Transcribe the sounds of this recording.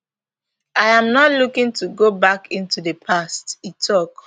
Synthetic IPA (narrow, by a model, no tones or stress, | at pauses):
ajãmnɔtlukĩŋtuɡobakĩntudəpʰastitʰɔk